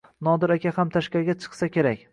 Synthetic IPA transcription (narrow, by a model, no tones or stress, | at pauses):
nɒd̪ɪɾakʲahamt̪ʰaʃkʲaɾɡʲat͡ʃʰɨ̥qsakʲʰe̞ɾakʲ